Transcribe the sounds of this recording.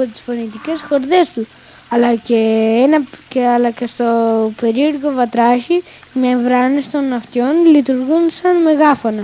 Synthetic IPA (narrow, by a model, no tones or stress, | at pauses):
ot̪i̥sfonit̪icesxoɾðest̪u | ɐlɐceenɐkeɐlɐkest̪opeɾioɾkovɐt̪ɾaʃi | mevɾanest̪onɐft̪jonlit̪uɾɣunsɐnmeɣafonɐ